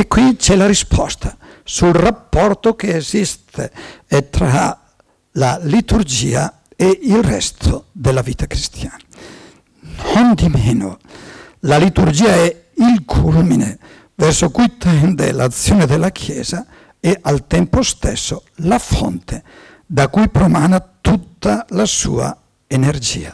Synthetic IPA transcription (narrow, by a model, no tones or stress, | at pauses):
ekːwit͡ʃɛlaɾispʰɔst̪ʰḁsulrapːɔrt̪ok̟eːzist̪ʰḛɛt̪ɾa | lalit̪urd͡ʒḭːa̰ | eilrɛ̰st̪ʰod̪elːaviːt̪akɾist̪ʰjaːna | nond̪imeːno̰ | lalit̪uɾd͡ʒiːaɛ | ilkʰulmine | vɛrsokujt̪ɛnd̪ḛla̰t̪sːjoːned̪elakʰjɛ̰ːza | eʔalt̪ɛmpost̪ɛsːolafɔ̰nt̪ʰe | d̪akujpɾomanat̪ut̪ːalasṵːa̰ | eneɾd͡ʒḭːa